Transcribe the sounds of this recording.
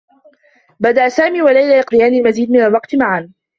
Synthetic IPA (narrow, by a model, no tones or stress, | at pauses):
bad̪aʔsaːmiːwalajlaːjɑqd̪ɪjaːnilmaziːd̪mɪnalwɑqt̪maʕan